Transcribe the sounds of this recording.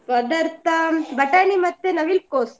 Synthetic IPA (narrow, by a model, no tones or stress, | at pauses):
pɐd̪ɐɾt̪ɐbɐʈanimɐt̪ːenɐʋilkoːs